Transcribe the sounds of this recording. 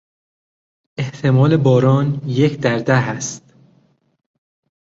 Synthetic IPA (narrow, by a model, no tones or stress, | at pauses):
e̞ht̪ʰe̞mɒːle̞bɒːɾɒːnjecʰd̪æɾd̪æɦæst̪